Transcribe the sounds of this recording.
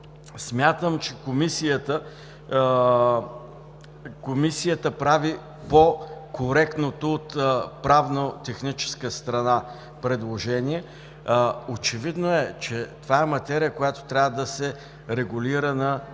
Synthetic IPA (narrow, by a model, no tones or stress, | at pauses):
smʲjat̪əmt͡ʃɛkomisijət̪ə | komisijət̪əpɾavi | pokʰoɾɛkt̪not̪oːt̪pɾavnot̪ɛxnit͡ʃɛ̥skəst̪ɾɐna | pɾɛd̪lˠoʒɛniɛ | ot͡ʃɛvid̪noɛt͡ʃɛt̪ovaɛmɐt̪ɛɾijəkojat̪o̥t̪ɾʲavəd̪ɐsɛ | ɾɛɡʊliɾənɐ